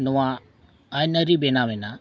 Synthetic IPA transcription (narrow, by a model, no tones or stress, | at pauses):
nuwaː | jnəɾibɛnabɛna